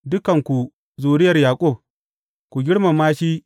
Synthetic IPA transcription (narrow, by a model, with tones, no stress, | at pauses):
dʊ˦kɐ˨ŋkʷu˨ | zuː˨ɾɪ˦jɐ˨rjaː˨kʷʼʊ˦˨b̚ | kʷu˨ɡʲɪ˦ɽma˨maː˦ʃi˦